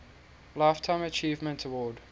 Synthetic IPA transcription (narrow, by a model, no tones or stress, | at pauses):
laɪftʰãɪ̃mət͡ʃiːvmə̃ntʰəwɔːd